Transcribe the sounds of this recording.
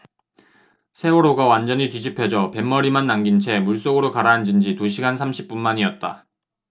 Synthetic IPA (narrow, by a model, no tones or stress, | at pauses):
sʰe̞oɾoɡawand͡ʑʌnɲitwɥid͡ʑipʰe̞d͡ʑʌpe̞mːʌɾimanːaŋɡint͡ɕʰe̞muɭs͈oɡɯɾokaɾaːnd͡ʑind͡ʑituɕʰiɡansʰamɕʰi̥p̚p͈unmaɲiʌt̚t͈a̰